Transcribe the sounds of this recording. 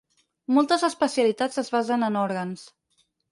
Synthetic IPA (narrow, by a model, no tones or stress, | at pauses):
mɔlˠt̪əzəspəsiəlit̪azəzβazənənɔɾɣəns